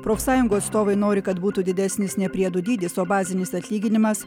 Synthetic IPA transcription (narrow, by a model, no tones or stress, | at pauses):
pɾoːfʲsɑːjʊŋɡuːɐt̪st̪oːʋɐɪnoːɾʲɪkɐt̪buːt̪ud̪ʲɪd̪ʲæsʲnʲɪsnʲɛpʲɾʲiɛd̪ʊd̪ʲiːd̪ʲɪsoːbɑːzʲɪnʲɪsɐt̪ʲlʲiːɡʲɪnʲɪmɐs